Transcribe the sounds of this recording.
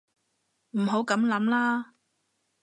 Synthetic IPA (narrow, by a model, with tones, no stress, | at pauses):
m̩˨˩ɦo˨˥wkɐ˨˥mlɐ˨˥mlaː˥